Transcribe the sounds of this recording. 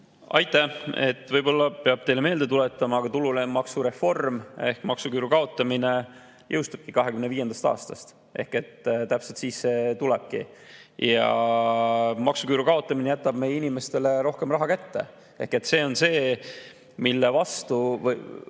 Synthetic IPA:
ɑ̰jt̪ːˑæe̞̰t̪ːˑvɤjbo̞lːɑpe̞ɑb̥̚t̪e̞jle̞me̞ːld̪̥e̞t̪ulet̪ːˑɑmɑːɡ̥ɑt̪ululemɑksuɾe̞fo̞rme̞hkmɑksukyːɾukɑo̞t̪ːˑɑmine̞ | jʔɤwst̪ub̥kikɑɦe̞kymneviːje̞nd̪̥ɑst̪ɑ̰ːst̪ɑst̪ | ʔe̞̰hke̞t̪t̪æpselt̪sisːe̞t̪uleb̥̚kḭjɑ | mɑksukyːɾukɑo̞t̪ːˑɑminejæt̪ːˑɑb̥̚me̞jeinime̞st̪e̞le̞ɾo̞hke̞mrɑɦɑkæt̪ːe̞̰ | e̞hke̞t̪se̞ːo̞nse̞ː | milːevɑst̪uvɤj

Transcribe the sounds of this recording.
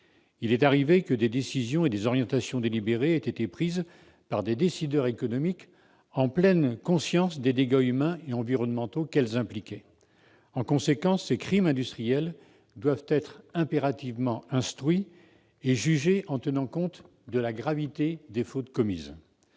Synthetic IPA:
ilɛt̪aʁivekəd̪ed̪esizjɔ̃ed̪ezɔʁjɑ̃t̪asjɔ̃d̪elibeʁeet̪et̪epχiz | paʁd̪ed̪esid̪œʁekɔnɔmik | ɑ̃plɛnkɔ̃sjɑ̃sd̪ed̪eɡaymɛ̃eɑ̃viʁɔnmɑ̃t̪okɛlzɛ̃plikʲɛ | ɑ̃kɔ̃sekɑ̃sːekχimɛ̃d̪yst̪χijɛl | d̪wavt̪ɛt̪χɛ̃peʁat̪ivmɑ̃ɛ̃st̪χɥi | eʒyʒeʔɑ̃t̪ənɑ̃kɔ̃t̪ | d̪əlaɡʁavit̪ed̪efot̪kɔmḭz

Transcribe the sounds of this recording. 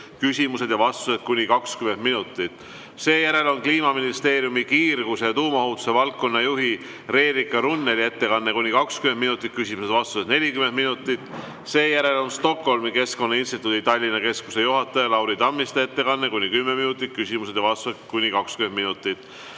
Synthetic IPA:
kysʲimuse̞d̪̥jɑvɑst̪use̞t̪̚kunʲikɑkskymeminut̪ːˑit̪ːˑ | se̞ːjæɾe̞lo̞nkliːmɑminist̪e̞ːɾiumikiːrɡ̥use̞t̪uːmɑhut̪u̥se̞vɑlkːo̞nːɑjuɦi | re̞ːɾikːˑɑɾunːelie̞t̪ːe̞kɑnːe̞kunʲikɑkskyme̞nminut̪ːˑit̪̚kysʲimuse̞d̪vɑst̪uset̪nelʲikymen̚minut̪ːˑit̪ːˑ | se̞ːjæɾe̞lo̞nst̪o̞kho̞lmike̞sko̞nːɑinst̪it̪ˑːud̪it̪ɑlʲːinɑke̞skuse̞juɦɑt̪ːˑɑjɑlɑwɾid̪ɑmːist̪ee̞t̪ːe̞kɑnːekunʲikymːeminut̪ːˑit̪̚kysʲimuse̞d̪̥jɑvɑst̪uset̪kunʲikɑkskymenminut̪ːˑit̪ːˑ

